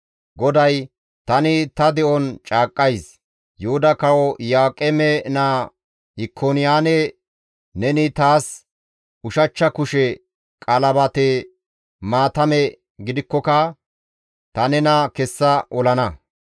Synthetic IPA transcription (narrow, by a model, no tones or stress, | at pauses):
ɡɔd̪ɐj | t̪ɐnɪt̪ɐd̪ɛʔɔnt͡ʃʼaːkʼːɐjs | jʊhʊd̪ɐkɐwɔjaːkʼɛmɛnaː | hɪkʰːoːnɪjaːnɛ | nɛnɪt̪aːs | ʊʃɐt͡ʃːɐkʊʃɛ | kʼɐlɐbɐt̪e | maːt̪ɐmɛ | ɡɪd̪ɪkːɔkɐ | t̪ɐnɛnɐkɛsːɐʔɔlɐnɐ